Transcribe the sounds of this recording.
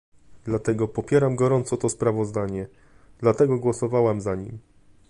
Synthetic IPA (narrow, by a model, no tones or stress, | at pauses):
d̪̥lat̪ɛɡɔpɔpʲjɛɾamɡɔɾɔnt̪sɔt̪ɔspɾavɔzd̪aɲɛ | d̪̥lat̪ɛɡɔɡwɔsɔvawamzaɲḭm